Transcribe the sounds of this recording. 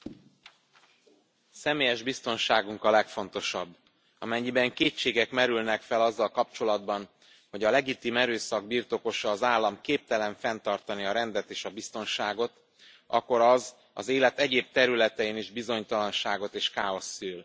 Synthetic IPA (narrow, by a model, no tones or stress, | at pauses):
sɛmeːjɛʒbist̪o̞nʃaːɡuŋkɒlɛkfo̞n̪t̪o̞ʃɒbː | ɒmɛɲːibɛŋkeːt͡ʃːeːɡɛkmɛɾylnɛkfɛlɒzːɒlkɒp̚t͡ʃo̞lɒd̪bɒn | ho̞ɟɒlɛɡit̪iːmɛɾøːsɒɡ̚birt̪o̞ko̞ʃɒːzaːlːɒmkeːp̚t̪ɛlɛɱfɛnt̪ɒrt̪ɒniɒɾɛnd̪ɛt̪eːʃɒbist̪o̞nʃaːɡo̞t̪ | ʔɒ̰kːo̞ɾɒz | ɒ̰zeːlɛt̪ɛɟeːb̚t̪ɛɾylɛt̪ɛjiniʒbizo̞ɲt̪ɒlɒnʃaːɡo̞t̪eːʃkaːo̞sːyːl